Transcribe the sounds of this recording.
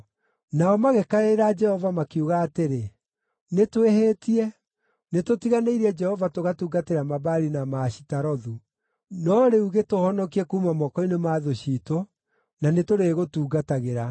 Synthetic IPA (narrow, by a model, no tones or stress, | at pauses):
naɔmaɣɛkaeɾad͡ʒɛhɔvamakiuɣaːteɾe | netweheːtiɛ | netotiɣaneiɾiɛd͡ʒɛhɔvatoɣatuːɡateɾamaβaɾinamaɕi̥taɾɔðu | nɔɾeuɣetohɔnɔkiɛkuːmamɔkɔinemaːðoɕito | nanetoɾeɣotuːɡataɣeɾa